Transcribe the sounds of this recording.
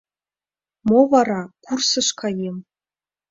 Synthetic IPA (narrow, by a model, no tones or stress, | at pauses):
movarakʷʰʊrsɨʂkʰajem